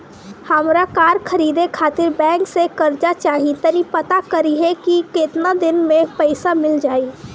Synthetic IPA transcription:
həmɾakaːɾkʰɐɾiːd̪ekʰaːt̪ɪɾbɛ̃ːksekɐɾd͡ʒat͡ʃaːɦit̪ɐɾipɐt̪akɐɾiɦɛkikɪt̪nad̪ɪnmẽpəɪsamɪld͡ʒaːiː

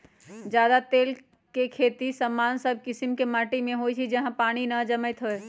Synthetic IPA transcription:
d͡ʒjaːd̪at̪eːl | kekʰeːt̪isəmːaːnsəb̚ʱkɪsɪmkemaːʈimẽɦoːjt͡ʃʰid͡ʒɐɦə̃paːɽ̃inɐd͡ʒəməɪt̪ɦoe

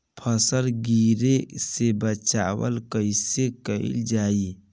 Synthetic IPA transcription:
pʰəsəlɡiːɾesebət͡ʃaːwə̰lkəɪsekəɪ̰ld͡ʒaːi

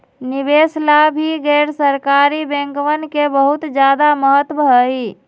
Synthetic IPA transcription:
nibeslabʱiɡɛɾsəɾkaɾibẽŋkʋənkebəɦut̪d͡ʒjad̪aməɦət̪bʱəi

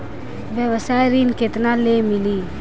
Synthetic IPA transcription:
ʋjəʋəsajɾinket̪nalemɪli

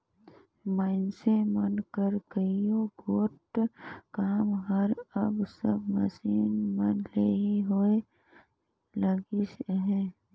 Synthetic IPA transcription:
maɪnsemənkəɾkəijoɡoːʈkaːmɦəɾəbsəbmə̰siːnmənleːɦiɦoe | ləɡisɦɛː

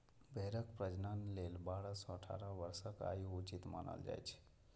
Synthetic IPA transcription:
bʱeɾəkpɾəd͡ʒnanlelbaːɽəsɔəʈʰa̰ɾəʋəɾsəka̰jiut͡ʃit̪ma̰nə̰ld͡ʒa̰jt͡ʃʰ

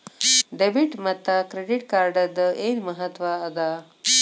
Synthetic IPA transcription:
ɖebiʈmɐt̪ːakɾeɖɪʈkaːɾɖad̪əʔenmɐɦat̪waːd̪a

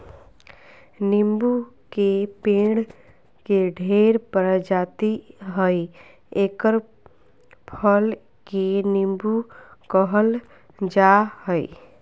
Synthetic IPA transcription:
nɪmbu | kepẽːɽ | keɖʱeːɾpəɾd͡ʒaːt̪iɦəi | eːkəɾ | pʰəl | kenɪmbukəɦəl | d͡ʒahəḭ

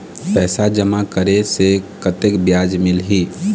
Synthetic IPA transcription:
pɛːsad͡ʒəmakəɾesekət̪ekbjaːd͡ʒmɪlɦiː

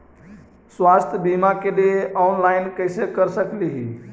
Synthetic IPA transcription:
swast̪ʰjbimakeleɔnlajnkəjsekəɾsəkliɦi

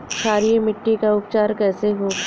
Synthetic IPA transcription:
ʃʰaːɾijemɪʈːikaʊpt͡ʃaːɾkɛːseɦoː

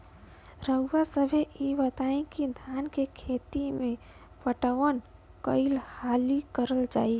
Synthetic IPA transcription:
ɾəʊːasəbʱeʔibət̪aẽkid̪ʱjaːnkekʰet̪imẽ | pəʈəʋən | kəɪlhalikəɾəld͡ʒaːi

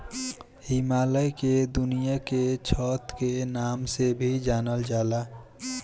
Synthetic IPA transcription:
hɪmaːləjked̪ʊnijaket͡ʃʰɔːt̪kenaːmsebʱid͡ʒaːnəld͡ʒaːlaː

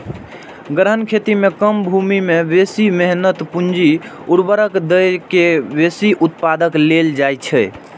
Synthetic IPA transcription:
ɡɾɦənkʰet̪imekəmbʱumimebesimɛɦnət̪pund͡ʒiuɾbəɾəkd̪əjkebesiʔut̪̚pad̪əkleld͡ʒajt͡ʃʰɛ

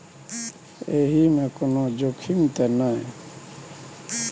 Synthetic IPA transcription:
eːɦimẽkonod͡ʒokʰimt̪enaẽ

